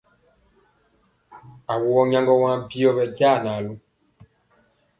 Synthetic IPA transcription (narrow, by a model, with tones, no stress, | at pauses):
a˨wu˨ɔ˦ɲã˦ŋɡɔ˦wã˦bi˦ɔ˦βɛ˨ɟa˦˨na˨lu˦